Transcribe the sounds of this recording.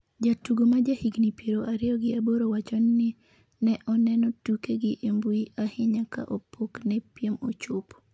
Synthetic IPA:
d͡ʒatuɡomad͡ʒahiɡnipeɾoʔaɾɪjɔɡɪaboɾowat͡ʃɔnːɪ | nɛʔɔnɛnɔtukeɡɪʔembuiahɪɲaka̰ʔopʰoknɛpjemo̰t͡ʃʊp

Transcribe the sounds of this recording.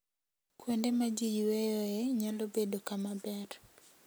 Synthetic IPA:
kwendemad͡ʒijwejoɛɲalobedokamabɛr

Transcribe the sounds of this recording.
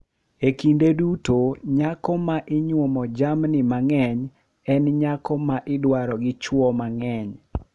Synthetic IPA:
ekindedutoɲakɔmaʔɪɲwomɔd͡ʒamnɪmaŋɛɲ | ɛnɲakɔmaʔɪdwaɾɔɡɪt͡ʃwɔmaŋɛɲ

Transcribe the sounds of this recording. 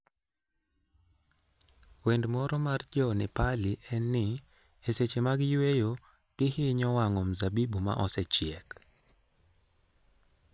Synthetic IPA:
wendmɔɾɔmard͡ʒɔnɪpaliʔɛnːɪ | eset͡ʃemaɡɪjwejo | ɡ̥ɪhɪɲɔwaŋɔmzabibuma̰ʔɔsɛt͡ʃɪɛk

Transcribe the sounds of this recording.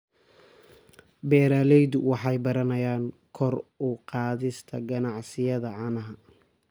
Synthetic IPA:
bɛːɾaːlɛjd̪ʊwɑħɑjbɐɾɐnɐjaːŋkʰɔrʊqɑːðɪst̪ʰɐɡɐnɑʕsɪjɐðɐʕɑnɐɦɐ

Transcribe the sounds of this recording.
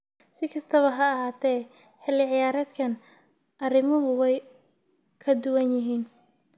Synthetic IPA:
sɪkʰɐst̪ʰɐβɐɦɐɐɦaːt̪ʰɛː | ħɪlɪʕɪjaːɾɛːd̪kʰɐn | ʔɐrɪmʊɦʊwɛj | kʰɐd̪ʊwɐnjɪɦiːn

